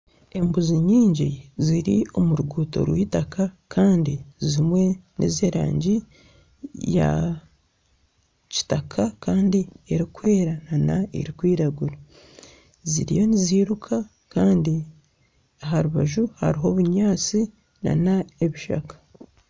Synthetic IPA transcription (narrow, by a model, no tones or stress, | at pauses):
e̞mbuziɲiːɲɟiziɾio̞muɾuɡuːto̞̰ɾwiːtakakʰaːndizimwe̞nʔḭzeɾa̰ːɲɟi | ja̰ | ci̥takʰakaːndieɾikwe̞ːɾananaḛɾikwiːɾaɡuɾa | zḭɾḭjo̞niziːɾukʰa | kaːndi | aɦaɾuβaʒuha̰ɾiɦo̞βuɲaːt͡si | na̰nae̞βiʃa̰kḁ